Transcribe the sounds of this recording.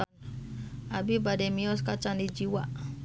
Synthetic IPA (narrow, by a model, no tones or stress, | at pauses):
abibadɛmiɔskat͡ʃandid͡ʒiwa